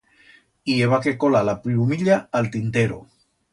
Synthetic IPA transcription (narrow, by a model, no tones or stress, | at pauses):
ieβ̞akekolalapɾiumiʎaːlt̪int̪eɾo̰